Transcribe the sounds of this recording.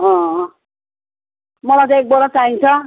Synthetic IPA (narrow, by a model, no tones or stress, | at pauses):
ʌ̃ | mʌlat̪ʌ̃ek̚bʌɾat͡saĩnt͡sʰʌ